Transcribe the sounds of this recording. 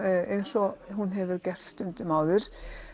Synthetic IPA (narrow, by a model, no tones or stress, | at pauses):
ejnsɔhunɦɛvʏɾcɛr̥t̪st̪ʏnt̪ɪmaːwðʏɾ̥